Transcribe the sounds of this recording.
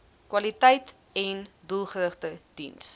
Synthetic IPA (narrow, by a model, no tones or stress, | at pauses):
kwɐlitəjt | ɛndulˠχəɾəχtəd̥ḭns